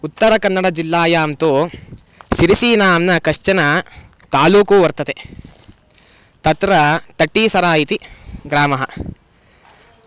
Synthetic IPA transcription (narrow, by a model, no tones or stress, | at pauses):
ut̪ːɐɾɐkɐnːɐɽɐd͡ʒilːaːjaːmt̪oː | ʃiɾisiːnaːmnɐkɐʂt͡ʃɐnɐ | t̪aːluːkuːʋɐɾt̪ɐt̪e | t̪ɐt̪ɾɐt̪ɐʈːiːsɐɾaːjit̪iɡɾaːmɐɦɐ